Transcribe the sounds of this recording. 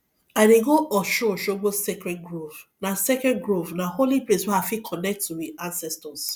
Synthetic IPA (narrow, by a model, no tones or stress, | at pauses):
aɪdeɡoʔɔʃɔʃoɡ͡bosekɾɛɡɾovnasɛkɛ̃nɡɹovnaholipleswɛafikʰɔnɛk̚tːuwiãnsɛstɔs